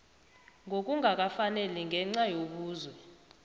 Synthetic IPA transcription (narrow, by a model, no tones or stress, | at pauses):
ŋʱok̬ʼuŋʱak̬afanɛlɛŋɡʱɛŋ͡ǀajoɓuːzwɛ